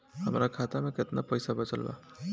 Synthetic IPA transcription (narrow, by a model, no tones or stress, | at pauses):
hɐmɾakʰaːt̪amẽkɪt̪napɐjsabɐt͡ʃəlba̰ː